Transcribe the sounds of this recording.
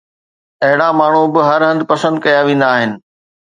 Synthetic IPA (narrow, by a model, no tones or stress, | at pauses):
ɐɦɪɽamaːɳ̤ubɪɦɐɾɦɐ̃nd̪pɐsə̃nd̪kɐjaʋĩːnd̪aːɦɪnɪ̆